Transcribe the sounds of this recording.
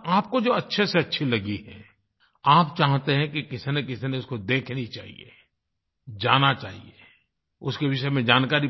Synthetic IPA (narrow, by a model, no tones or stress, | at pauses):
aːp̚kod͡ʒoːɐtːʃʰeseɐtːʃʰilɐɡiɦɛ̰ | aːpt͡ʃaːɦt̪eɦɛ̃kikɪsnekɪsineʊskod̪eːkʰneɦĩt͡ʃa̰ːɦḭḛː | d͡ʒaːnat͡ʃaːɦḭeː | ʊskeʋɪʃəemẽd͡ʒaːnkaːɾi